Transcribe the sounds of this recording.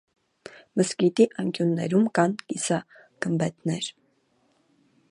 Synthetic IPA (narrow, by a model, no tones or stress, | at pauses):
məskit̪iʔɑŋkjunːɛ̰ɾumkɑnkisɑ | ɡ̥əmbɛt̪nɛɾ